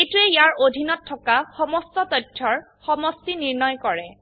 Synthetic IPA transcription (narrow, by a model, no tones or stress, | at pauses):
ejtuɛjaɹodʱinɔtʰːɔkaxɔmɔstɔtɔtʰːɔɹ | xɔmɔstiniɹnɔjkɔɹɛ̰